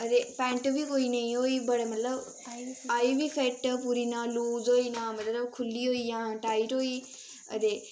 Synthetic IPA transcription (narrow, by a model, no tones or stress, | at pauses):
əd̪eːpɛ̃ːɳʈbʱikoːiːnɐĩɦoːiːbəɽemət̪ləb | aːibiːfʰeʈpuɾiːnãːluːzɦoːiːnãːmɐt̪ləbkʰʊlːiːɦoːiːjãːʈaːiʈɦoːiː | ə̰d̪eː